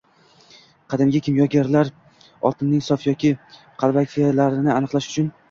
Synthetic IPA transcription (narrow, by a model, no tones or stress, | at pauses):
qʰɑd̪ɪmɡʲakʲʰɪmjɒɡʲaɾlaɾ | ɒ̰t̪ʰɪnːɪŋsɒfjɒkʲʰɪ | qʰɑlˠvakʲʰalaɾɪnɪanɨqlˠaʃʊ̥t͡ʃʰʊn